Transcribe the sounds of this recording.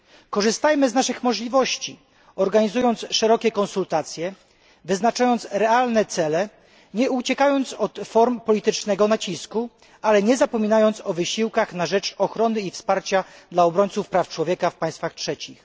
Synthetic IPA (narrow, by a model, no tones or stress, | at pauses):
kɔʐɘst̪ajmɘznaʂɘxmɔʐlʲivɔɕt͡ɕi | ɔɾɡaɲizujɔnt̪sʂɛɾɔkʲɛkɔnsult̪at̪sʲjɛ | vɘznat͡ʂajɔnt̪sɾɛalnɛt̪sɛlɛ | ɲɛut͡ɕɛkajɔnt̪sɔt̪fɔɾmpɔlʲit̪ɘt͡ʂnɛɡɔnat͡ɕisku | alɛɲɛzapɔmʲinajɔnt̪sɔvɘɕiwkaxnaʐɛt͡ʂɔxɾɔnɘifspaɾt͡ɕad̪laɔbɾɔɲt̪sufpɾaft͡ʂwɔvʲjɛkafpaj̃st̪faxtʂɛt͡ɕix